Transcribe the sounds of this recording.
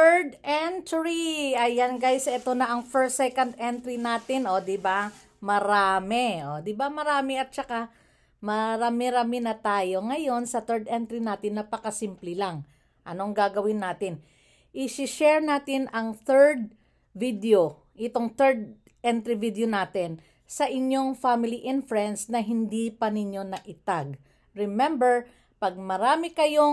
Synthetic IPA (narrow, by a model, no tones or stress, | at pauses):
tɛɹd̪ʔɛnt̪ɹiɐjɐnɡajsʔɛt̪o̞nɐʔɐŋfɛɹsɛkɐnd̪ʔɛnt̪ɾinaːt̪ɪno̞d̪ɪba | mɐɾaːmɛʔod̪ɪbamɐɾaːmɛɐt̪̚t͡ʃɐka | mɐɾaːmɪɾamɪnɐt̪aːjo̞ŋɐjo̞nsɐt̪ɛɹd̪ɛnt̪ɾinaːt̪ɪnːɐpɐkɐsimplɪlaŋ | ʔɐno̞ɐŋɡaːɡɐwɪnːaːt̪ɪn | ʔɪsɪʃɛɹnaːt̪ɪnɐŋθɛɹd̪̚ | vid̪eo | ʔɪt̪o̞ŋt̪ɛɹd̪̚ | ʔɛnt̪ɾivid̪onaːt̪ɪn | sɐʔɪɲjo̞ŋfamɪliʔɛnfɹɛnd̪snɐɦɪnd̪ipɐnɪɲːo̞nɐʔɪt̪aɡ̚ | ɹɪmɛmbɛɹ | pɐɡ̚mɐɾaːmɪkɐjo